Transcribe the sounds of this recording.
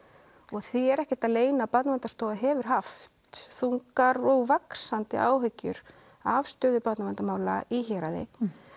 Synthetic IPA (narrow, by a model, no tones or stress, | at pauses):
ɔɣθiɛɾɛhcɛ̥t̪aðleːjnapat̪navɛnt̪ast̪oːwaɦɛːvʏɾ̥ɦaft̪θuŋkaɾɔɣvaksant̪ɪ̰ʔaːwɦœɥcːʏ̰ɾ | avst̪œːðʏpat̪namɛnt̪amaːwlaiçɛːɾaðɪ̰